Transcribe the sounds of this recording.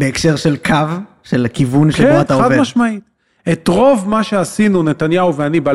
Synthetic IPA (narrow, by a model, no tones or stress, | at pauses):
beːkʃeʁʃelkʰav | ʃelakivunʃkeboat̪aoadvemaʃmait | et̪ʁo̞vmaʃeasinunet̪anjauveaniba